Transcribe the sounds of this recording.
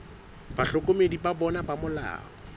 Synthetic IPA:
baɬɔkʼomedipabɔnapamʊla̰ːɔ

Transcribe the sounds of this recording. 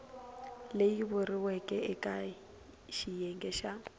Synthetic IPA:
lejibʊrɪwɛkʼɛɪkʼa | ʃijɛŋɡɛʃa

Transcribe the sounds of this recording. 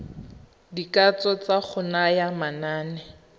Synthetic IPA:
dikat͡sɔt͡saχʰʊnajamanaːnɛ

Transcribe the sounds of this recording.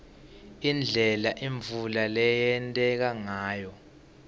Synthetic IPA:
ind͡ɮʱɛlaʔiɱvulalɛjɛntʼɛk̬aŋaːjɔ

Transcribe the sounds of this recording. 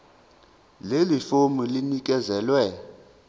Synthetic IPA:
lelifomulinik̬ʼɛzɛːlwɛ

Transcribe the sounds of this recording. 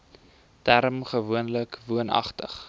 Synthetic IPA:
tæɾmχəvuənləkvuənɐ̰χtəχ

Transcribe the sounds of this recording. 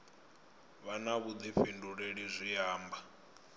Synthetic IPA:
βanaβud̪ifenduɺeɺizʷijaːmba

